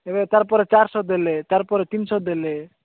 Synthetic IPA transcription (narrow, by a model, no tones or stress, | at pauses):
ebet̪aɾpɔɾet͡ʃaɾsɔd̪elet̪aɾpɔɾet̪insɔd̪ele